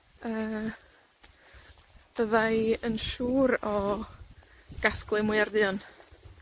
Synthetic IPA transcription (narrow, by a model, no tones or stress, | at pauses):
əː | b̥əðajənʃuːɾɔ | ɡ̥asklˠɨmuɨardɨːɔn